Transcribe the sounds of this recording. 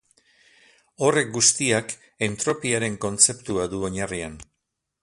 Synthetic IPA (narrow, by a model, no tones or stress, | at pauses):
o̞re̞k̚ɡust̪iak | ent̪ɾo̞piaɾe̞ŋko̞nt͡se̞pt̪uaðuo̞ɲarian